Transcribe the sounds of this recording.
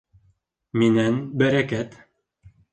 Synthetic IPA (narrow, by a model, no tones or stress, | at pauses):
minænbæɾækæt̪